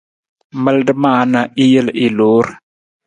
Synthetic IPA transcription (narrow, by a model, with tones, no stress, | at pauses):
mə˦ldə˦maː˦˨na˨ʔi˦jə˦li˨lo˨˦ɾ